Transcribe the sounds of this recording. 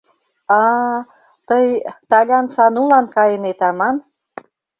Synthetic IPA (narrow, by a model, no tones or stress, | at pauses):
ɑ | t̪əjt̪ɑlʲɑnsɑnulɑnkɑjənet̪ɑmɑn